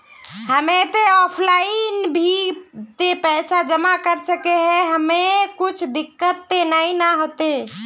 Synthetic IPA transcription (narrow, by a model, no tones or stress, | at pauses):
həmet̪eɔpʰlainbʱit̪epɛsad͡ʒəmakəɾsəkeɦɛɦəmekut͡ʃʰd̪ɪkːət̪ːenainaɦot̪e